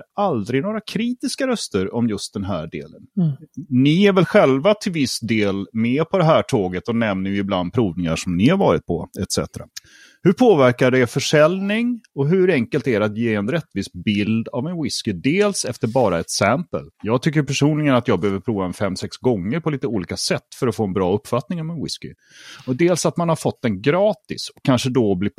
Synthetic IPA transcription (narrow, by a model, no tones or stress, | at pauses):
ɾald̪ɾɪnoːɾakʰɾiːt̪ɪskaɾœst̪əɾɔmjɵst̪̚d̪ɛnɦæːɖḛːlə̰n | nɪæɾvɛlɧɛlvat̪ʰɪlvɪsd̪eːlmɛːpʰɔd̪ɛɦæːʈʰoːɡət̪ɔnɛmnəjɪbland̪̚pʰɾuːvnɪŋaʂɔmnɪhaɾvɑːɾɪt̪̚pʰɔɛt̪sɛ̰t̪ɾa̰ | hɵpʰoːvæɾkaɖ̪ɛfœʂɛlnɪŋɔɦɵɾɛŋkəlt̪æɖɛat̪jeːɛnɾɛt̪ːviːsbɪld̪avɛnwɪskɪd̪eːlsɛft̪əɾbɑːɾaɛt̪sæmpə̰ljɑːɡt̪ʰʏkːəɾpʰæʂuːnlɪɡənat̪jɑːɡbɛhøːvəɾpʰɾuːvaɛnfɛmːsɛksɡɔŋːəɾpʰɔliːt̪əuːliːkasɛt̪ːfœɾɔfoːɛnbɾɑːɵpːfat̪nɪŋamɛnwɪ̰skɪ̰ | ɔd̪eːlsat̪manhaɾfɔt̪ːɛnɡɾɑːt̪ɪsɔkʰːanʂəd̪ɔblɪ